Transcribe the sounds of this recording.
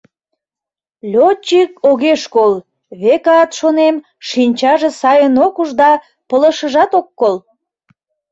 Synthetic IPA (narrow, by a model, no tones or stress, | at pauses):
lʲot͡ɕikoɣeʃkol | βekɑt̪ʃonem | ʃinʲt͡ɕɑʒesɑjənokuʒd̪ɑ | pələʃəʒɑt̪okːol